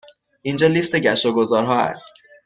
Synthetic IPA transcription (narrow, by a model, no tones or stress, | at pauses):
ʔind͡ʒɒːliːst̪e̞ɟæʃoɡozɒːɾɦɒːæ̰st̪